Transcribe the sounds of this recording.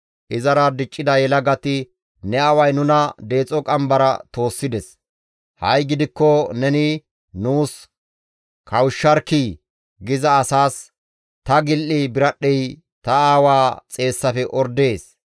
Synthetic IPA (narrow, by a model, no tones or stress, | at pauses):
ʔɪzɐɾɐd̪ɪt͡ʃʼːɪd̪ɐjɛlɐɡɐt̪ɪ | nɛɐwɐjnʊnɐd̪e̞ːt͡sʼɔkʼɐmbɐɾɐ̰t̪o̞ːsːɪd̪ɛs | hɐjɡɪd̪ɪkːɔnɛnɪ | nuːs | kɐwʃːɐɾkiː | ɡɪzɐːsaːs | t̪ɐɡɪlʔijbɪɾɐɗːɛj | t̪ɐaːwaːt͡sʼe̞ːsːɐfɛʔɔɾd̪e̞ːs